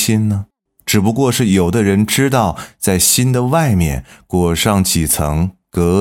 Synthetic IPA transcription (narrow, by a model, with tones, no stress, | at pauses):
i˥nnə˨ | ʈ͡ʂɻ̩˨˩pu˧˥kwɔ˥˧ʂɻ̩˥˩jo˨˩ʊd̪ə˦ɻə˧˥nʈ͡ʂɻ̩˥t̪̬ɑ˥˧ʊt͡sa˥˩ɪɕi˥nd̪ə˨wa˥˧ɪmjɛ̰˥˩nkwɔ˨˩ʂɑ˥˩ŋt͡ɕʰi˨˩t͡sʰɤ̰˧˥ŋkɤ˧˥